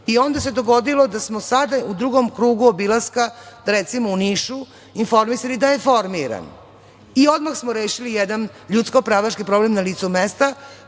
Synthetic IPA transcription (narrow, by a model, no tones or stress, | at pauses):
io̞nd̪ase̞d̪oɡo̞d̪ilo̞d̪asmosad̪aud̪ɾuɡomkɾuːɡuobilˠaskad̪aɾet̪simouniːʃu | info̞ɾmisalid̪aje̞fo̞ɾmiɾa̰n | io̞d̪maxsmoɾeːʃilijed̪an | ʎut̪sko̞pɾaːʋat͡ʃkipɾo̞blemnaliːt̪sumest̪a